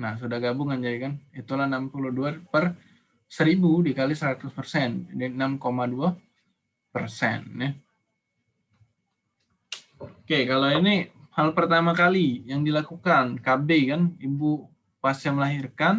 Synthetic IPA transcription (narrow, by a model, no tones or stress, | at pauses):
nahs̬udahɡabʊŋand͡ʒadikanit̪ulahnampuluhduapər | səɾibudikalisəɾat̪ʊspərsɛndinamkomadua | pərsɛ̰nna | okekaloinihalpərt̪amakalijaŋdilakukankabekanibu | past͡ʃaməlaɦirkan